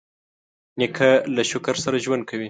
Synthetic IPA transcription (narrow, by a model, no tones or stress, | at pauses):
nɪkʰalaʃʊkaɾsaɾaʒwand̪̚kʰawi